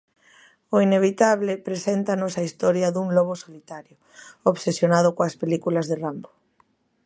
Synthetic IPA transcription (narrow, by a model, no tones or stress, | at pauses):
ʊineβ̞it̪aβlɪpɾesent̪anɔsɐist̪ɔɾjɐðuŋlɔβ̞osolit̪aɾjʊ | oβsesjonað̞ʊkoɐspelikulɐzðerambo̥